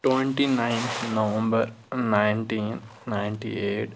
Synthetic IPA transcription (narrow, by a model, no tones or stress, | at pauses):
ʈweɳʈinajnnɐʋə̃mbɐɾ | najnʈinːajɳʈḭeːʈ